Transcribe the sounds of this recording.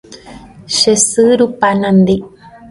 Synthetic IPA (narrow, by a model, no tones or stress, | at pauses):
ʃesɨɾupanand̪i